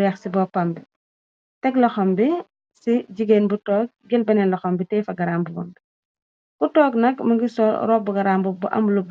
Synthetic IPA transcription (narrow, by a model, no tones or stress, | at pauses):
jɛxsibɔpɐmbi | tɛklɐxɔmbi | siɟiɡenbutɔːk̚ɡɛlbɐnɛnlɐxɔmbitɛːfɐɡɐɾaːmbubɔ̰mbi | kutɔːknɐkmɐŋɡisɔɾɔːbuɡɐɾaːmbubuʔɐ̰mlub